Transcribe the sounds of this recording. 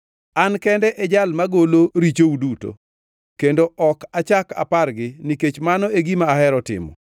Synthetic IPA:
ankɛndɛʔɛd͡ʒalmaɡoloɾit͡ʃouduto̰ | kendoʔɔkat͡ʃaka̰parɡɪniket͡ʃmanɔeɡimaːhɛɾɔtɪ̰mɔ̰

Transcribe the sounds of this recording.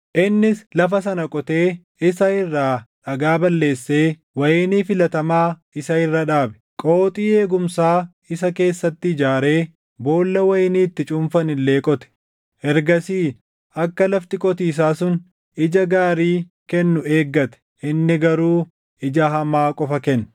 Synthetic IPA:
ʔɪnːɪslɐfɐsɐnɐkʼɔt̪eː | ɪsɐɪrːaːᶑɐɡaːbɐlːe̞ːsːeː | wɐjɪniːfɪlɐt̪ɐmaː | ɪsɐɪrːɐᶑaːbɛ̥ | kʼoːt̪ʼiːe̞ːɡʊmsaː | ɪs̬ɐke̞ːsːɐt̪ːɪɪd͡ʒaːɾe̞ː | bo̞ːlːɐwɐjɪniːt̪ːɪt͡ʃʼʊɱfɐnɪlːe̞ːkʼɔt̪ɛ̥ | ʔɛɾɡɐsiː | ɐkːɐlɐft̪ɪkʼɔt̪iːs̬aːsʊn | ɪd͡ʒɐɡaːɾiː | kɛnːʊe̞ːɡːɐt̪ɛ̥ | ʔɪnːɪɡɐɾuː | ɪd͡ʒɐɦɐmaːkʼɔfɐkɛnː

